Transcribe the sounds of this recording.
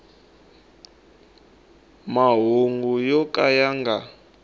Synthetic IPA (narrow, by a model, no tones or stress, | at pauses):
maɦuŋɡujɔkʼajaŋɡa